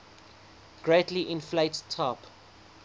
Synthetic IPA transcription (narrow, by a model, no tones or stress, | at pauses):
ɡ̥ɹetliʔɪ̃nfleɪttʰːɑp